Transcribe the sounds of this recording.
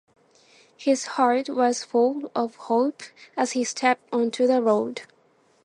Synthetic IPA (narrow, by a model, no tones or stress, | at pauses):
hɪz̥hɑɹtwʌz̥fʊlˠʌv̥hoʊpəz̥histʰɛp̚tɔ̃ntʰʉðəɹoʊd